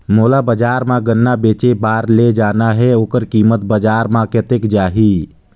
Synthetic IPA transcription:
moːlabəd͡ʒaːɾmãɡənːabeːt͡ʃebaːɾled͡ʒaːnaɦɛoːkəɾkiːmət̪̚bəd͡ʒaːɾmãket̪ekd͡ʒaːɦi

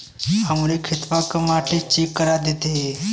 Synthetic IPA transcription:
ɦəmɾekʰɪt̪ʋakəmaːʈʰet͡ʃekːəɾad̪eːt̪eɦe

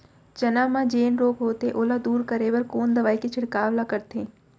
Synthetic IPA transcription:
t͡ʃɐnãːmãd͡ʒeːnɾoːkɦoːt̪eʔoːlad̪uːɾkəɾeːʋəɾkoːnd̪ɐʋaːiket͡ʃʰɪɽkaːʋlakɐɾt̪eː

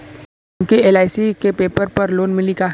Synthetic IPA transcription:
mkieːlaːɪsikepeːpəɾpɐɾloːnmɪlika

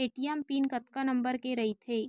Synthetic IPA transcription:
eːʈijɛmpiːnkɐt̪kanɐ̃mbəɾkeɾɐɦit̪ʰeː

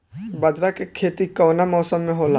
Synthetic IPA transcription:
bɐd̪ɾakekʰeːt̪ikɔːnamɔːsəmːẽɦoːla

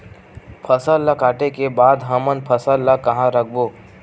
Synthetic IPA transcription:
pʰəsəlːakaːʈekebaːd̪ɦɐmənpʰəsəlːakɐɦãɾɐk̚ʰboː

